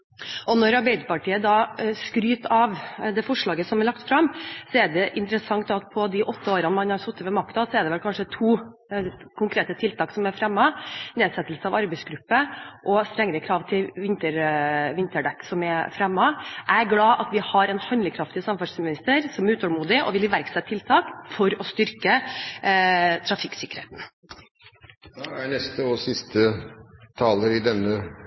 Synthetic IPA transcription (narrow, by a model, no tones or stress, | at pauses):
ʔɔnɔɾɑɾbæɪd̪əpɑʈʰiːəd̪ɑːskɾyːt̪ɑʋd̪ɛfɔʂɭɑːɡəsɔmæɾɭɑkt̪fɾɑmːsɔæɖɛʔɪnt̪ɾəsɑŋt̪ɑt̪̚pʰɔd̪ɪʔɔt̪ʰːəoːɾɑnmɑnhɑɾsɔt̪ːəʋɛmɑkt̪ɑsɔɛɖɛʋɛlkʰɑnʂət̪ʰuː | kʰʊŋkɾeːt̪ət̪ʰɪlt̪ʰɑːksɔmæfɾɛmːɑneːsɛt̪ːəlsəɑʋɑɾbɛɪsɡɾʉpːəʔɔst̪ɾɛŋːəɾəkʰɾɑːʋt̪ʰɪlʋɪnt̪əɾʋɪnt̪əɖɛkːsɔmæfɾɛmːɑʔæɾɡlɑːʔɑt̪ʋɪhɑɾɛnhɑnləkʰɾɑft̪ɪsɑmːfɑʈsmɪnɪst̪əɾsɔmæɾʉːt̪ʰɔːlmuːd̪ɪʔɔ̰ʋɪlɪʋæɾksɛt̪ʰːɪlt̪ʰɑːkfɔɾɔst̪ʏɾkə | t̪ʰɾɑfɪkːsɪkəɾhḛːt̪n̩ | d̪ɛænɛst̪əɔsɪst̪ət̪ʰɑːləɾɪd̪ɛnːə